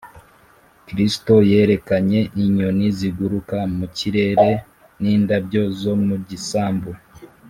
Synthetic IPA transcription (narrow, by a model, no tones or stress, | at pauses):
kɾisto̞je̞ːɾe̞kaɲe̞ʔiɲoniziɡuɾukamuciɾe̞ɾe̞ | niːndabjo̞zo̞muɟisaːmbo